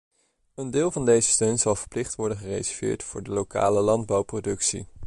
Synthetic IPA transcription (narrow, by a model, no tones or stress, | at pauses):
əndɪːlˠvɑndejzəstøɥnz̥ɑlˠvəɹplɪχtʋɔɹdəχərḛjzɛvjɪ̰ːɹtfʊːɹdəloka̰ːləlɑnd̚bɑwprodɵksḭ